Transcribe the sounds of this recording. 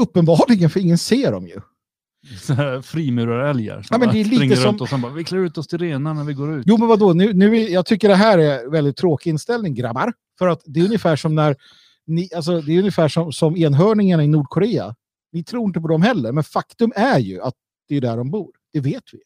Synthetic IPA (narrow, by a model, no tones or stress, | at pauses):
ɵpːənbɑːɭɪɡənfœɾɪŋːənseːɖɔ̰mjɵ̰ | sɔnɦæːɾfɾiːmʉ̟ːɾaɾɛlja̰ɾsaːmɛnd̪ɛːɭiːŋt̪əsɔmɔsɛnbɑːɾvɪkʰlɑːɾʉ̟ːt̪ɔst̪ʰɪlɾeːnanæɾvɪɡoːɾʉ̟ːjuːmɛnvad̪onʉ̟ːnʉ̟ːɪjɑːɡ̚t̪ʰʏkːəɖɛɦæːɾɛɾvɛld̪ɪt̪ʰːɾoːkɪɪnst̪ɛlnɪŋɡɾa̰bːaɾ | fœɾat̪d̪ɛɵnjɪfæːʂɔmnæɾ | nɪals̬ɔd̪ɛːjɵnjəfæːʂɔmsɔmeːnɦœːɳɪŋaɳaɪnuːɖkʰɔɾeːa̰ | nɪt̪ʰɾuːɾɪnt̪əpɔd̪ɔmɦɛlːəɾmɛnfakt̪ɵmæɾjɵ̰at̪̚ | d̪̥ɛːɖ̪æɖɔmbuːɾd̪̥ɛveːt̪vɪ̰